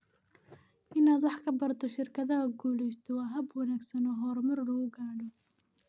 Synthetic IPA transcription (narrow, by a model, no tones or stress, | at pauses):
ʔɪnaːd̪wɑħkʰɐbɐrt̪ʰɔʃɪrkʰɐðɐɦɐɡuːlɛjst̪ʰɔwɑːɦɐbwɐnaːɡsɐnɔːɦɔːrmɐrluːɡaːɽɔ